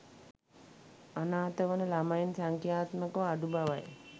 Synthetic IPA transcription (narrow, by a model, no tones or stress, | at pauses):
anaːt̪əʋənəlamajinsaŋkjaːt̪məkəʋaɖubaʋaj